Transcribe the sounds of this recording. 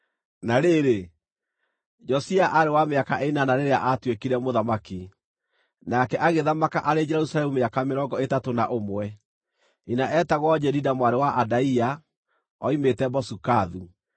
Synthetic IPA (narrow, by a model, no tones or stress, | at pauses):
naɾeɾe | d͡ʒɔsiaʔaɾewameakaʔeinanaɾeɾeaʔatwekiɾɛmoðamaki | nakɛʔaɣeðamakaʔaɾed͡ʒɛɾusalɛmumeakameɾɔŋɡɔetatonaʔomwɛ | inaʔɛtaɣwɔd͡ʒɛɾidamwaɾewaʔadaia | ɔimetɛbɔsukaðu